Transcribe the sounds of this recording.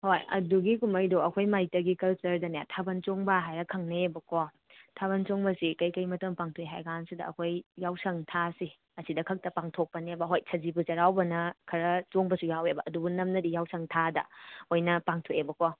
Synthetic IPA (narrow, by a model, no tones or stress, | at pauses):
hojɐ̰duɡikumɐjdoɐkʰojmajtɐɡikɐlt͡ʃɐɾdɐnja̰tʰabɐnt͡ʃoŋbɐɦajɾɐkʰɐŋneebɐkʰo | tʰaβɐnt͡ʃoŋbɐsikɐjkɐjmɐtɐmpaŋtʰoeɦa̰jɡansudɐɐ̰kʰojːawsɐŋtʰasi | ɐsidɐkʰɐk̚tɐpaŋtʰok̚pɐnebɐɦojsʰɐzibut͡ʃɐɾawbɐnɐkʰɐɾɐt͡ʃoŋbɐsujawebɐʔɐdubunɐmnɐdijawsɐŋtʰadɐ̰ojnɐpaŋtʰoebɐko